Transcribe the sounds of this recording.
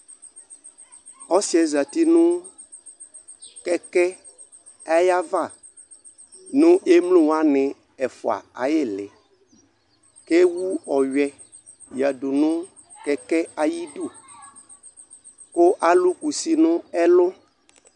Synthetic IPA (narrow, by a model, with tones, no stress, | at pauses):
ɔ˦si˦ɛ˨za˨t̪i˦nũ˦ | kɛ˦kɛ˦ | a˦ja˦va˦˨ | nũ˦e˦mlũ˦wa˦nɪ̃˨ | ɛ˨fo̰˨a̰˨a˨je˦lɪ˨ | ke˦wu˦ɔ˨ɥɛ˦ | ja˨ɖu˨nũ˦ | kɛ˦kɛ˦a˨ji˦ɖu˦˨ | ko˦ʔa˨lu˦ku˨si˨nʊ̃˦ɛ˦lʊ˦